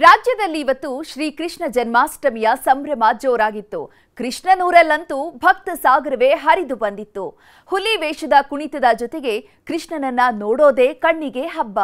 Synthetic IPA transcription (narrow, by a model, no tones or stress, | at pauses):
ɾaːd͡ʒjɐd̪ɐlːiːʋɐt̪ːuʃɾiːkɾiʂɳɐd͡ʒɐnmaːsʈɐmijɐsɐmbɾɐmaːd͡ʒjoːɾaːɡit̪ːṵ | kɾiʂɳɐnuːɾɐlːɐnt̪ubʱɐk̚t̪ɐsaːɡɾɐʋeɦɐɾid̪ubɐnd̪it̪ːu | hulːiʋeːʂɐd̪ɐkuɳit̪ɐd̪ɐd͡ʒɔt̪eɡe̞ | kɾiʂɳɐnɐnːɐnoːɽoːd̪e̞ːkɐɳːiɡe̞ɦɐbːɐ